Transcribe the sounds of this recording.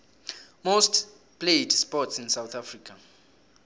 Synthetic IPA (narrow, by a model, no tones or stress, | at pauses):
most | pʰledspɔtsĩnsawθʰafriːkʰa